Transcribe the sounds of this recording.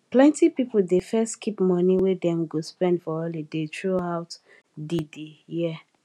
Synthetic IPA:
plɛ̃ntipipl̩defɛstkʰipmɔniwedɛ̃mɡospɛ̃ndfɔɔledetɹoaʊt | didejɛ

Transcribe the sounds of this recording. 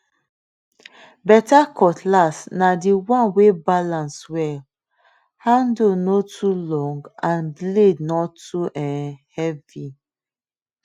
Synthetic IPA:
bɛtakʰɔtʰlasnadiwãnwebalãnswɛl | hãndonotʰulɔ̃ŋɡãnblednɔtuʔɛ̃nhɛvi

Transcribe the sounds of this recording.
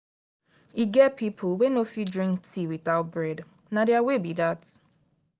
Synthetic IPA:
iɡɛt̚pʰipʰlwẽnofidɹĩŋktʰiwiθaʊt̚bɹɛd | nadeawebidat

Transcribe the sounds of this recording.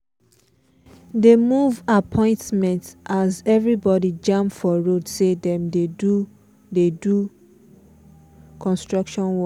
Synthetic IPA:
demuvapʰɔ̃ɪ̃ntmɛ̃ntʔazɛvɹibɔdid͡ʒãmfɔɹodsedɛ̃mdedu | dedu | kʰɔ̃nstɹɔkʃɔ̃nwɔ

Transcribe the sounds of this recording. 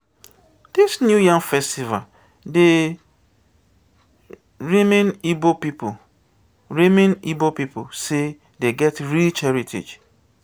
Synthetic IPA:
d̥isnjujãŋfɛstiva̰l | de | ɹimẽnibopip | ɹimẽnibopipose | deɡɛtɹilt͡ʃɛɹitʰḛd͡ʒ

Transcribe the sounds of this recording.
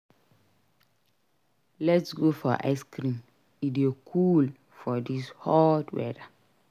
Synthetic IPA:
lɛtsɡofɔʔa̰ɪskɾĩn | idekʰul | fɔdishɔdwɛ̰da

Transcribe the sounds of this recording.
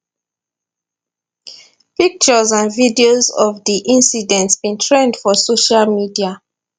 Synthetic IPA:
pik̚t͡ʃəzãnvidiozɔvdiʔĩnsidɛ̃ntsbĩntʰɹẽndfɔsoʃalmidia

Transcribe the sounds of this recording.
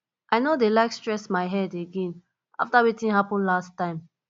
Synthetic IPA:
ʔaɪnodelaɪkstɹɛsmaɪɦɛdeɡɛ̃n | ʔa̰ftawitĩnhapə̃nlastːãɪ̃m

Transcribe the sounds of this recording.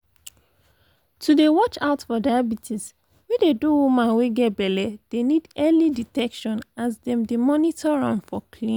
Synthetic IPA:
tʰudewɔt͡ʃaʊtfɔdajabitʰis | wideduwumãnweɡɛtbɛlɛd̥enidɛliditɛkʃɔ̃nasdɛ̃mdemɔnitʰɔɹɔ̰̃nfɔkʰlĩn

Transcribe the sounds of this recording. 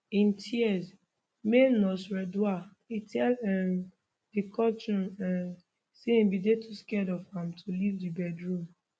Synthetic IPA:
ĩntʰiɛs | menɔsɹɛdua | itʰɛlɛ | dikʰɔt͡ʃɔ̃nɛ̃n | seĩnbidetʰuskɛdɔfãmtʰulivdibɛdɹũm

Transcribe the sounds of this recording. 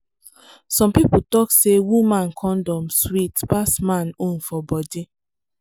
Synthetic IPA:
sɔ̃mpiputɔksewumãnkʰɔ̃ndɔ̃mswitpasmãnũnfɔbɔdi

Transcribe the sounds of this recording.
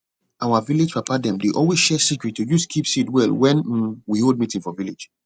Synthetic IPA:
ʔawaviled͡ʒpapadɛ̃mdeʔɔlwezʃɛsikɹitʰːojuskʰipsidwɛlwɛ̃n̩wihold̚mitĩnfɔviled͡ʒ

